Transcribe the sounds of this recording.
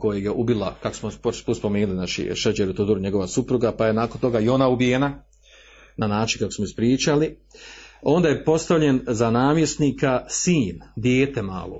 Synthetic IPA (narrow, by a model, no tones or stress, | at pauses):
ko̞jeɡjeʔubilˠakako̥smopopuspomeːnulinat͡ʃḭʃed͡ʒeɾut̪ud̪uɾuɲe̞ɡo̞ʋasupɾuɡapajenaːko̞nt̪o̞ɡaio̞naubijena | nanaːt͡ʃinkako̞smoispɾiːt͡ʃali | o̞nd̪aːje̞po̞st̪aʋʎe̞nzanaːmjesniːkasiːnd̪jeːt̪e̞ma̰ːlo̰